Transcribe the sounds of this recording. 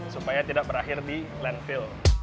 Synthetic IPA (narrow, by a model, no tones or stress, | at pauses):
supajat̪idak̚bəɾaxɪrdi | lɛnfɪl